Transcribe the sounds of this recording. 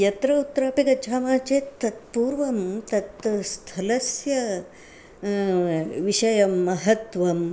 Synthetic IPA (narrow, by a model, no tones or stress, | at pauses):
jɐt̪ɾɐut̪ːɾaːpikɐd͡ʒʱaːmaːt͡ʃeːt̪t̪ːɐt̪̚puːɾʋɐmt̪ɐt̪st̪ʰɐlɐsjɐ | ʋiʃɐjɐmːɐɦɐt̪ʋɐm